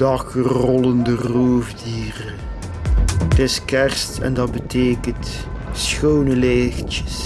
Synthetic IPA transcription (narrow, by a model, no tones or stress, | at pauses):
d̥ɑkrɔləndəroːvdiːrə | tɪskɛrstɛ̰ndɑt̚bəteːkənt | sxownəleːxtə̥s